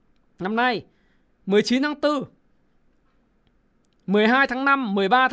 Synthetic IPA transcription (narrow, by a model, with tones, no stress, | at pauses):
na˧mna˧j | mɨ˨˩əjt͡ɕi˨˦nt̪ʰaː˨˧˦ŋt̪ɨ˧ | mɨ˨˩əjɦaː˧jt̪ʰaː˨˦ŋna˧mːɨ˨˩əjɓaː˧t̪ʰ